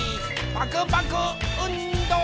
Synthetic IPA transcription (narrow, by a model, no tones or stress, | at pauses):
i | baɡəbaɡəonũd̪ɔ̃